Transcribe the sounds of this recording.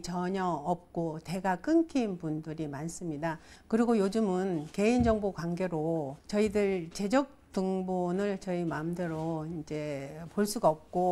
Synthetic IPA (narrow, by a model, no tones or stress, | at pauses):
t͡ɕʌɲʌʌp̚k͈ote̞ɡak͈ɯnkʰinpundɯɾimans͈ɯmɲidakɯɾiɡojod͡ʑɯmɯnke̞ind͡ʑʌŋbokwaŋɡe̞ɾot͡ɕʌidɯɭt͡ɕe̞d͡ʑʌk̚t͈ɯŋbonɯɭt͡ɕʌimaɯmdeɾoind͡ʑe̞poɭs͈uɡaʌp̚k͈o